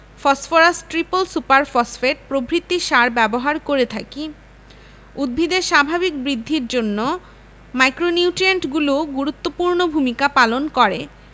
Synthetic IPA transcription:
fɔsfoɾasʈʈɾipolsupaɾfɔsfeʈ̚pɾobɾit̪ːiʃaɾbɛboɦaɾkoɾet̪ʰaki | ud̪̚bʱid̪eʃabʱabik̚bɾid̪ʱːiɾd͡ʑonːo | majkɾoniuʈieɳʈɡuloɡuɾut̪ːopuɾnobʱumikapalonkɔɾe

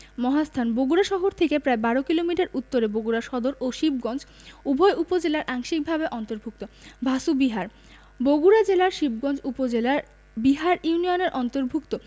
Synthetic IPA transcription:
mɔɦast̪ʰanboɡuɾaʃɔɦoɾt̪ʰekepɾaebaɾokilomiʈaɾʔut̪ːoɾeboɡuɾaʃɔd̪oɾʔoʃib̚ɡɔnd͡ʑ | ubʱɔeʔupod͡ʑelaɾʔaŋʃik̚bʱabeʔɔnt̪oɾbʱuk̚t̪obʱasubiɦaɾ | boɡuɾad͡ʑelaɾʃib̚ɡɔnd͡ʑupod͡ʑela | biɦaɾjunioneɾʔɔnt̪oɾbʱukt̪o

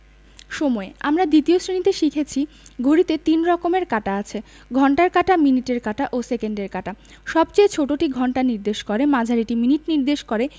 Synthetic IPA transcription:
ʃomɔeamɾad̪it̪iosɾinit̪eʃikʰet͡ɕʰi | ɡʱoɾit̪et̪inɾɔkomeɾkaʈaat͡ɕʰe | ɡʱɔɳʈaɾkaʈaminiʈeɾkaʈaʔosekeɳɖeɾkaʈa | ʃɔbt͡ɕejt͡ɕʰoʈoʈiɡʱɔɳʈaniɾd̪eʃkoɾemad͡ʑʱaɾiʈiminiʈniɾd̪eʃkoɾe

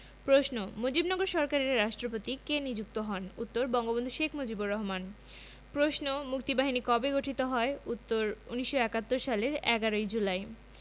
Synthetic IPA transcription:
pɾoʃnomod͡ʑibnɔɡoɾʃɔɾkaɾeɾːaʃʈɾopot̪ikenid͡ʑuk̚t̪oɦɔnut̪ːoɾbɔŋɡobond̪ʱuʃekʰmod͡ʑiboɾːɔɦoman | pɾoʃnomuk̚t̪ibaɦinikɔbeɡoʈʰit̪oɦɔeut̪ːoɾuniʃːoɛkat̪ːoɾʃaleɾɛ̰ɡaɾojd͡ʑulae

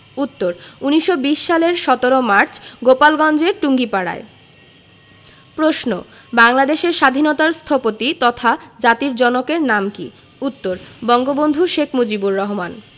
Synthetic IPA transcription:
ut̪ːoɾuniʃːobiʃːaleɾʃɔt̪oɾomaɾt͡ɕɡopalɡɔnd͡ʑeɾʈuŋɡipaɽa̰e | pɾoʃno | baŋlad̪eʃeɾʃad̪ʱinot̪aɾst̪ʰɔpot̪it̪ɔt̪ʰad͡ʑat̪iɾd͡ʑɔnokeɾnamkḭ | ut̪ːoɾbɔŋɡobond̪ʱuʃekʰmod͡ʑibuɾːɔɦoman

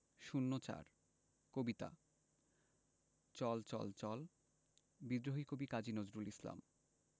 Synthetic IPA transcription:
ʃunːot͡ɕa̰ɾ | kobit̪a̰ | t͡ɕɔlt͡ɕɔ̰lt͡ɕɔl | bid̪ɾoɦikobikad͡ʑinod͡ʑɾulisla̰m

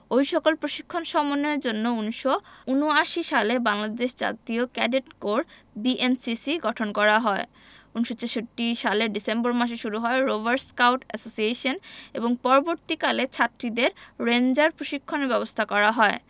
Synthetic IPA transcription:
ojʃɔkolpɾoʃikʰːonʃɔmoneɾd͡ʑonːounʃounoaʃiʃalebaŋlad̪eʃd͡ʑa̰t̪iokɛɖeʈkoɾbiʔensisiɡɔʈʰonkɔɾaɦɔe | unʃot͡ɕeʃoʈːiʃaleɖisemboɾmaʃ̬eʃuɾuɦɔeɾobaɾskawʈɛsosieʃoneboŋpɔɾoboɾt̪ikalet͡ɕʰaʈɾid̪eɾɾend͡ʑaɾpɾoʃikʰːonebɛbost̪ʰakɔɾaɦɔe

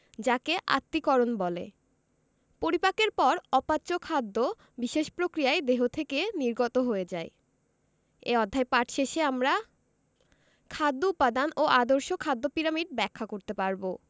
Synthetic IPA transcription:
d͡ʑakeʔa̰t̪ːikɔɾonbɔlḛ | poɾipakeɾpɔɾɔpaːt͡ɕokʰad̪ːo | biʃeʃpɾokɾijaed̪eɦot̪ʰekeniɾɡot̪oɦoed͡ʑae | ḛɔd̪ʱːaepaʈʰʃeʃeamɾa | kʰad̪ːoupːad̪anoʔad̪oɾʃokʰad̪ːopiɾamiɖ̚bɛkʰːakoɾt̪epaɾbo

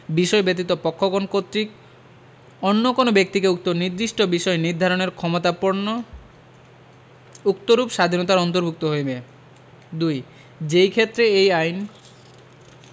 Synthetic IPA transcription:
biʃɔebet̪̬it̪opɔkʰːokonkot̪ːɾik̚ | onːokonobek̚t̪ikeuk̚t̪oniɾd̪ɾiʃʈobiʃɔeniɾd̪ʱaɾoneɾkʰɔmot̪apoɾno | ukt̪oɾupʃad̪ʱinot̪aɾɔnt̪̬oɾbʱuk̚t̪oɦojbe | d̪uj | d͡ʑejkʰet̪ːɾeejajn

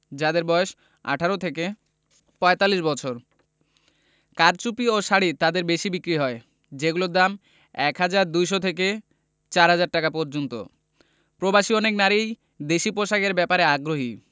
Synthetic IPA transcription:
d͡ʑad̪eɾbɔeʃ | a̰ʈʰaɾot̪ʰeke | pɔet̪alːiʃbɔt͡ɕʰoɾ | kaɾt͡ɕupioʃaɽit̪ad̪eɾbeʃibikɾiɦɔe | d͡ʑeɡulod̪am | ɛkɦad͡ʑaɾd̪ujʃ̬ot̪ʰeke | t͡ɕaɾɦad͡ʑaɾʈakapɔɾd͡ʑont̪o̰ | pɾobaʃiɔneknaɾij | d̪eʃipoʃakeɾbɛpaɾeaɡɾoɦi

